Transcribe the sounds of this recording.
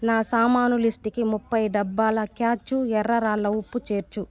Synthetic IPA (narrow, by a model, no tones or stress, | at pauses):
naːsaːmaːnulisʈikimupːɐjɖɐbːaːlɐkjaːt͡ʃːuɛɾːɐɾaːlːɐwupːut͡ʃeːɾt͡ʃu